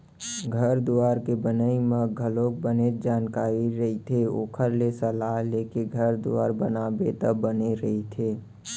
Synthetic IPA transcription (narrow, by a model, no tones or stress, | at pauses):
ɡʱəɾd̪uaːɾkebənəimə̃ɡʱəloːk̚bəned͡ʒaːnkaːɾiɾɐɦit̪ʰeoːkʰəɾlesəlaɦleːkeɡʱəɾd̪ua̰ːɾbə̰naːbet̪əbəneɾɐɦit̪ʰeː